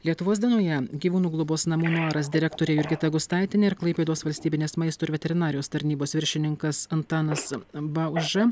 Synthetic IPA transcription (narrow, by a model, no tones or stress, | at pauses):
lʲiɛt̪ʊʋoːsd̪ʲiɛnoːjɛɡʲiʋuːnuːɡlˠʊboːsnɐmuːnuɑːɾɐs̬d̪ʲɪɾʲɛkt̪oːɾʲeːjʊɾʲɡʲɪt̪ɐɡʊst̪ɑˑɪt̪ʲɪnʲeːɪɾklˠɐɪpʲeːd̪oːsʋɐlʲsʲt̪ʲiːbʲɪnʲeːsmɐɪst̪oːɪɾʋʲɛt̪ʲɛɾʲɪnɑːɾʲɪjoːst̪ɐɾʲnʲiːboːsʋʲɪɾʲʃʲɪnʲɪŋkɐsɐnt̪ɑːnɐsbɐʊʒɐ